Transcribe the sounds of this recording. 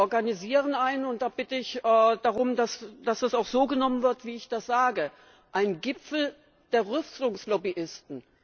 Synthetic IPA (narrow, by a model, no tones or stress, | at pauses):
ɔɐɡaniziːʁənʔaɪnʊntd̥aːb̥ɪtəɪçɛːd̥aʁʊmdasd̥asd̥asaʊxz̥oːɡənɔmənvɪɐtv̥iːɪçd̥asz̥aːɡə | ʔaɪnɡɪpfl̩ | d̥eːɐʁʏstʊŋslɔbiʔɪstn̩